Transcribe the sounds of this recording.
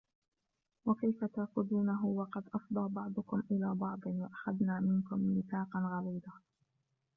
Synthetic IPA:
wakajfat̪axʊd̪uːnaɦʊwɑqɑd̪ʔɑfd̪ˤɑːbɑʕd̪ˤʊkʊmʔɪlaːbɑʕd̪ˤɨnwaʔaxad̪naːmɪnkʊmnɪθɑːqɑnɣɑɾiːd̪a

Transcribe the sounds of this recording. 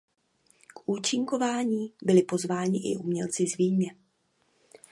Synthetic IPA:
kʔuːt͡ʃɪŋko̞vaːɲiːbɪlɪpo̞zvaːɲɪʔɪ̰ʔumɲɛlt͡sɪzviːɲɛ

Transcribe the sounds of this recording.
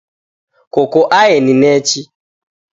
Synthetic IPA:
kokoʔaeninɛt͡ʃi

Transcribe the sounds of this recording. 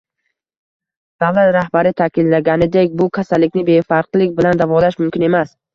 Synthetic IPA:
d̪̥avlat̪ɾahbaɾɪt̪ʰakʲʰɪllːaɡʲanɪd̪e̞kʲbʊkʲʰasalːɪkʲnɪbe̞jfaɾqlˠɪkʲbɪland̪avɒlaʃmʊmkʲɪne̞mas

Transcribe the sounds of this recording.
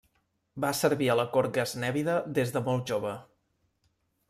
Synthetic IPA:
basəɾβiələkoɾɡəznɛβiðəðezðəmɔlˠʒoβə

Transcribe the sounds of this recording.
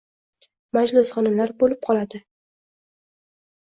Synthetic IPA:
mad͡ʒlɪsχɒnɪmlaɾbolɪp̚qʰɒlad̪ɪ

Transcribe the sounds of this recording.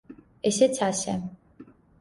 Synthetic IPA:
ɛsɛt͡sʰasɛ̰

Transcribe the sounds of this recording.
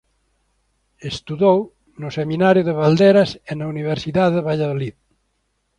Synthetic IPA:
est̪uðow | nʊsemĩnaɾjuðeβald̪eɾasenauniβ̞eɾsiðaðeβaʎaðolið

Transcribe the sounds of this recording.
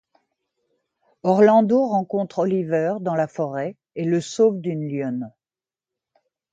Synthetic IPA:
ɔʁlɑ̃d̪oʁɑ̃kɔ̃t̪χɔlivœʁd̪ɑ̃lafɔʁɛ | eləsofd̪ynljɔn

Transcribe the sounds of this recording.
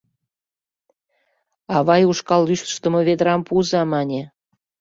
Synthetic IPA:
ɑβɑjuʃkɑlːyʃt̪ə̥ʃt̪ə̆mŏβed̪əɾɑmpuzɑmɑnʲe

